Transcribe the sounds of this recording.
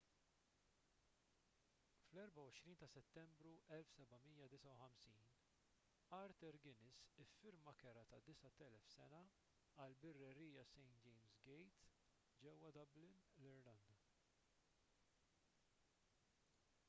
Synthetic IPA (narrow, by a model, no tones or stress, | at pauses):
flɛɾbɐwɔʃɾiːnt̪ɐsɛt̪ːɛmbɾuʔɛlfsɛbɐmiːjɐd̪ɪsɐwħɐmsiːn | ɐɾt̪ɛɾɡɪnɪsɪfːɪɾmɐkɛɾɐt̪ɐd̪ɪsɐt̪ɛlɛfsɛnɐ | ɐlbɪrːɛɾiːjɐsɛjnt̪d͡ʒɛjmsɡɛjt̪ | d͡ʒɛwːɐd̪ɐblɪnlɪɾlɐnd̪ɐ